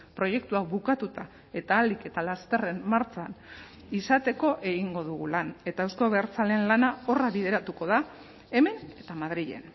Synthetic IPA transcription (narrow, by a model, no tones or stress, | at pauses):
pɾo̞je̞kt̪uaβukat̪ut̪a | e̞t̪aːlike̞t̪alast̪e̞re̞mmaɾt͡ʃan | isat̪e̞ko̞ʔe̞ɣiŋɡo̞ð̞uɣulane̞t̪aewsko̞βeɾt͡sale̞nlanao̞raβið̞e̞ɾat̪uko̞ða | e̞me̞ne̞t̪amað̞ɾiʎe̞̰n